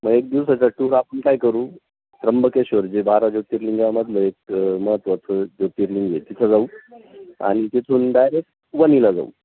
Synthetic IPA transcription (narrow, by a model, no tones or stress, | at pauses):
məɡek̚d̪iʋsat͡ɕaʈuɾapəɳkajkəɾuː | t̪ɾəmbəkeɕəɾd͡ʑebaɾad͡ʑot̪iːɾliŋɡaaməd̪ləek̚məɦət̪ʋat͡s̪ʰəd͡ʑot̪iɾliŋɡet̪it̪ʰəd͡zau | a̰ɽ̃it̪it̪ʰuːnɖajɾek̚ʈ | ʋənilad͡za̰ṵ